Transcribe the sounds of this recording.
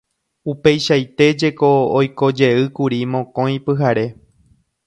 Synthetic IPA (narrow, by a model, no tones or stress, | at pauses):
upe̞jʃajt̪e̞d͡ʒe̞ko̞ːjko̞d͡ʒe̞ɨkuɾimõ̞kõ̞j̃pɨɦaɾe̞